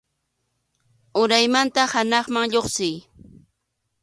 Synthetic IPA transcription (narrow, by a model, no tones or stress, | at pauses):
ʊɾajmant̪ahanɑχmaŋʎoχsɪj